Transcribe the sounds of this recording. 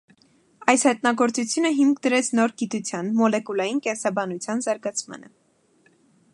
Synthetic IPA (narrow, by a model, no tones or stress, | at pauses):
ɑjshɛt̪nɑɡɔɾt͡sut͡sʰjunəɦimkʰd̪əɾɛt͡sʰnɔɾɡit̪ut͡sʰjɑnmɔlɛkulɑjinkɛnsɑbɑnut͡sʰjɑnzɑɾɡɑt͡sʰmɑ̰nə